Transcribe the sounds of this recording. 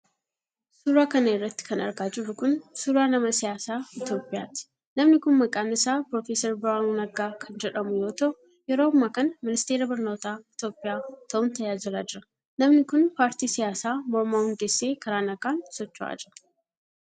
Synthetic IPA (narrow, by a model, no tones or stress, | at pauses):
suːɾaːkɐnɐɪrːɐt̪ːɪ̥kɐnɐɾɡaːd͡ʒɪrːʊkʊnsuːɾaːnɐmɐsɪjaːsaːɪt̪jo̞ːpʼɪja̰ːt̪ɪ̥ | nɐmnɪkʊnmɐkʼaːmɪsaːpɾofeːsɐɾbɪɾaːunɐɡaːkʰɐnd͡ʒɛᶑɐmʊjo̞ːt̪ɐʔʊ | jɛɾoːmːaːkɐnɐmɪnɪst̪eːɾɐbɪɾno̞ːt̪aːɪt̪jo̞ːpʼɪjaːt̪ʰɐʔʊnt̪ɐjaːd͡ʒɪɾaːd͡ʒɪɾɐ | nɐmnɪkʊnpaːɾt̪iːsɪjaːsaːmɔɾmaːhʊnd̪esːe̞ːkʰɐɾaːnɐɡaːnsɔt͡ʃːʊʔa̰ːd͡ʒɪɾɐ